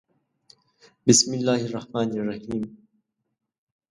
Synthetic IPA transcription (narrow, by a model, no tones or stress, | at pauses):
bɪsmɪlːaːhɪrˤːɑhmaːnɑrˤːɑhiːm